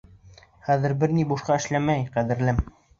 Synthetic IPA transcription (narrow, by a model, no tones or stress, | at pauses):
χæðɘ̆ɾbɘɾnibuʃqɑɘ̆ʃlæmæjqæðɘ̆ɾlɘm